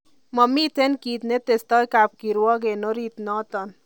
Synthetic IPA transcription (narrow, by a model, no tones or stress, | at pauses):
mɔmit͡senkiːt̪net̪est̪ɔjkap̚kiɾwɔɡenoɾit̪nɔt̪ɔn